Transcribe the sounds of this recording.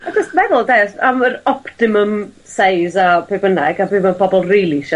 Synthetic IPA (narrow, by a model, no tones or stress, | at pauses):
d͡ʒəstmɛðəlˠdesaməɾɔptɪməm | sejzapʰeːbənaɡabɨːbapʰɔbɔlˠriːlˠiʃɔ